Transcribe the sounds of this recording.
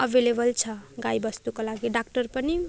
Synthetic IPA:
ʌbʱelebʌlt͡sʰʌɡajbʌst̪ukolaɡiɖakʈʌrpʌni

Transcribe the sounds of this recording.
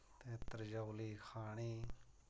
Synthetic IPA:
t̪eːt̪ɾd͡ʒəwliːkʰaːɳ̃iː

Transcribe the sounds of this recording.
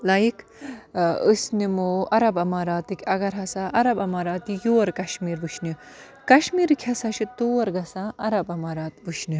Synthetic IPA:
lɐjik | əsnimoːɐɾɐbɐmaːɾaːt̪ɨkʲɐɡɐɾɦɐsaʔɐɾɐbɐmaːɾaːt̪ijoːɾkɐʃmiːɾʋuʃni | kɐʃmiːɾkʲʰɐsaʃit̪oːɐɾɡɐsãːʔɐɾɐbɐmaːɾaːt̪buʃʰni

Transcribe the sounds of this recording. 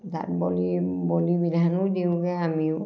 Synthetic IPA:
ta̰t̚bɔlibɔlibidʱanɔdiʊɡɛamiʊ

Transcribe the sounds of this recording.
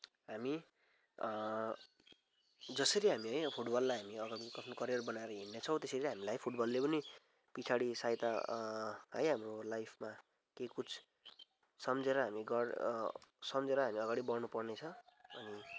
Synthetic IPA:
ɦami | d͡zʌsʌɾiɦamiɦʌjpʰuʈbʌlːajɦamiʌɡaɽikʌsʰnokʌɾjʌrbʌnaeɾʌɦinːet͡sʰʌw̃t̪esʌɾiɦamilajpʰuʈbʌlːepʌni | pit͡sʰaɽisajt̪a | ɦʌjɦamrolajpʰma | kekut͡sʰ | sʌmd͡zeɾʌɦamiɡʌr | sʌmd͡zeɾʌɦamiʌɡaɽibʌrnupʌrnet͡sʰʌ̃ʌni

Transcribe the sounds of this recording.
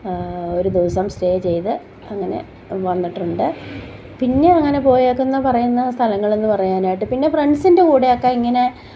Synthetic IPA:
o̞ɾud̪iːsɐmsʈeːjt͡ɕe̞jt̪ɨ | ɐŋːɐne̞̰ | ʋɐnːiʈːuɳɖɨ | pinːe̞ɐŋːɐne̞po̞ːjekːunːɐpɐrɐjunːɐst̪ʰɐlɐŋːɐɭenːɨpɐrɐjaːnaːjiʈːɨpinːe̞freɳɖsindekuːɽeokːeiŋːɐne̞

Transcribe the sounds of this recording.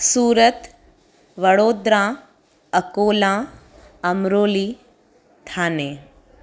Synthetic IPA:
suːɾət̪ | ʋɐɽoːd̪ɾãː | ɐkoːlãː | ɐmɾoːliː | t̪ʰaːneː

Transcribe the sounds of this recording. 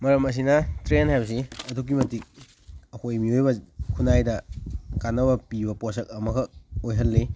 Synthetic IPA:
mɐɾɐmɐs̬inɐtɾenhajbɐs̬iɐduk̬imɐtik̚ | ɐhojmiojbɐkʰunajdɐkanːɐβɐpibɐposɐk̚ɐmɐɡɐojɦɐlːe

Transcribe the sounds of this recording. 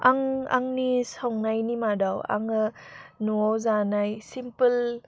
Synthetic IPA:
aŋa̰ŋnisawŋnajnimadawa̰ŋɯnuawzanajsimpəl

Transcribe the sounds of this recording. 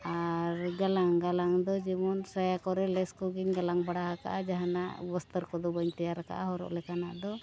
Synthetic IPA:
aɾɡalaŋɡalaŋd̪ɔd͡ʒɛmɔnsajakɔɾɛlɛskɔɡiɲɡalaŋbaɽaɦaka̰ʔad͡ʒaɦanaʔbɔst̪əɾkɔd̪ɔbaɲt̪ɛjaɾaka̰ʔaɦɔɾɔ̰ʔlɛkanaʔd̪ɔ

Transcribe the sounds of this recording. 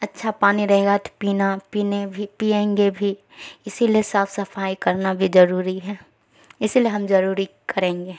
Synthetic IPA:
ɐtːʃʰapaːniɾɐɦeːɡat̪piːnapiːnebʱipiːẽːŋɡebʱi | ɪsiliesaːfʰsɐfʰaːikɐɾnabʱizɐɾuːɾiɦɛː | ɪsilieɦɐmzɐɾuːɾikɐɾẽːŋɡeː

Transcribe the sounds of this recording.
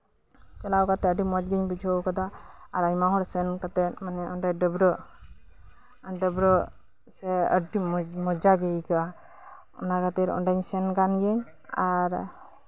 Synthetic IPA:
t͡ʃɛlawkat̪ɛəɖimɔd͡ʒɡiɲbid͡ʒʱɔkad̪aːɾaɲmaɦɔɾsɛnkat̪ɛmanɛʔɔnɖajɖəbɾɔ | ɖəbɾɔ | sɛəɖimmɔd͡ʒaɡɛjkaa | ɔ̰naɡat̪iɾɔ̰ɳɖaɲsɛnkanjɛɲ | aɾ

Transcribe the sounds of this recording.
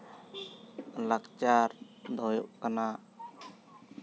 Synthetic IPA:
lak̚t͡ʃaɾd̪ɔjɔʔkana

